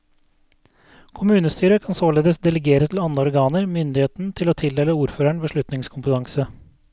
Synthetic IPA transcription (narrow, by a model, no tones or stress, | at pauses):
kʰʊmʉːnəst̪yːɾəkʰɑnsoːɭeːd̪əsd̪ɛləɡeːɾət̪ʰl̩ɑnəɔɾɡɑːnəɾmʏnd̪ɪheːt̪n̩t̪ʰɪloːt̪ʰɪld̪ɛːləuːɾføːɾæɳbəʂɭʉt̪nɪŋskʰʊmpət̪ʰɑŋsə